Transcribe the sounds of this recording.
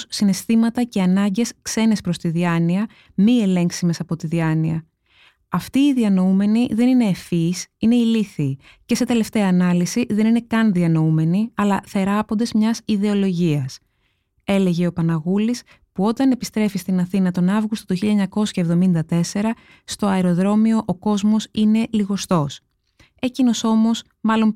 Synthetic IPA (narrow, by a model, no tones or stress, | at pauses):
ssine̞st̪imɐt̪ɐce̞ɐnɐɲɟe̞skse̞ne̞spɾo̞st̪iðiɐniɐ | mie̞le̞ŋksime̞sɐpo̞t̪iðiɐniɐ | ɐft̪iːðiɐno̞ume̞niðe̞nine̞ːfisine̞iliθiː | ce̞se̞t̪e̞le̞ft̪e̞ɐːnɐlisiðe̞nine̞kɐnðiɐno̞ume̞niɐlɐθe̞ɾɐpo̞nd̪e̞zmɲɐsiðe̞o̞lo̞ʝiɐs | e̞le̞ʝe̞o̞pɐnɐɣulis | puo̞t̪ɐne̞pist̪ɾe̞fist̪inɐθinɐt̪o̞nɐvɣust̪o̞t̪uçiʎɐeɲɐko̞sçɐevðo̞mind̪ɐt̪e̞se̞ɾɐ | st̪o̞ɐeɾo̞ðɾo̞mio̞ʔoko̞zmo̞sine̞liɣo̞st̪o̞s | e̞cino̞so̞mo̞s | mɐlo̞n